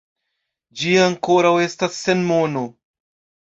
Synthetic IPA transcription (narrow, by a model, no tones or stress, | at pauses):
d͡ʒiaŋko̞ɾawe̞stasːe̞nmo̞no